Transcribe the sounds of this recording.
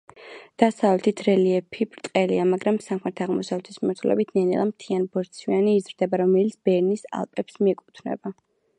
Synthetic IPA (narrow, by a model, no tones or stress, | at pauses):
d̪̥asavlɛt̪ʰit̪ʰɾɛliɛpʰipʼɾt̪ʼqʼɛlḭamaɡɾamsaχmɛɾt̪ʰaʁmɔsavlɛt̪ʰismimaɾt̪ʰulɛ̰bit̪ʰnɛnɛ̰lˠamt̪ʰianbɔɾt̪sʰwianiːzɾd̪ɛbaɾɔmɛlit̪sʰbɛɾnisa̰lˠpʼɛpsmiɛkʼut̪ʰnɛ̰ba